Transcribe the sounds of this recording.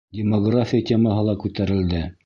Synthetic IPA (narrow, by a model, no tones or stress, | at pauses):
dʲɪmoɡrafʲɪjatʲemɑɦɤlˠɑkʉt̪æɾɘ̆ld̪ɘ